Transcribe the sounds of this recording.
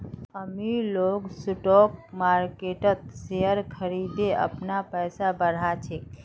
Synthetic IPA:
əmiloɡsʊʈok̚maɾkeʈət̪̚seəɾkʰəɾid̪eʔə̰pnapəjsabəɽ̤at͡ʃʰe

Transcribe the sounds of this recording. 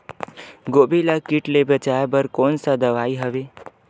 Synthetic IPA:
ɡoːbilakiʈlebət͡ʃaːjbəɾkoːnsad̪əʋaːiɦəʋeː

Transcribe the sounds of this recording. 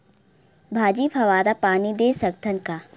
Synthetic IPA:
bʱaːd͡ʒiːpʰɐʋaːɾapaːnid̪eːsɐkt̪ʰənkaː

